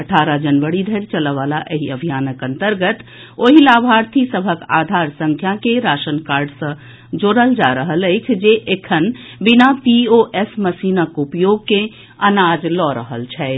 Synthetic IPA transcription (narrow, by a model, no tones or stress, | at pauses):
əʈʰaɾad͡ʒənʋəɽid̪ʱəɾt͡ʃələʋalaʔeɦiəbʱijaːnəkə̃nt̪əɾɡət̪ | oɦilabʱaɾt̪ʰisəbʱəka̰d̪ʱaɾsə̃ŋkʰjakeɾaʃənkaɾɖsə̃ | d͡ʒoɾəld͡ʒaɾəɦələɪt͡ʃʰd͡ʒeʔekʰənbinapioʔesməsinakupjoɡ̚kẽ | ənad͡ʒlɔɾəɦəlt͡ʃʰɛ